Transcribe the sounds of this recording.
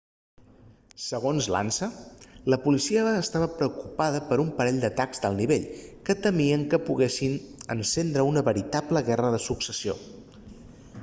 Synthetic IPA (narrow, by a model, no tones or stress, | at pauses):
səɣ̞onzla̰nsələpulisiəːst̪aβəpɾəukupað̞əpəɾumpəɾɛʎd̪ət̪akzd̪əlˠniβeʎkət̪əmiəŋkəpuɣesin | ə̰nsend̪ɾəunəβəɾit̪apləɣɛrəðəsuksəsio̰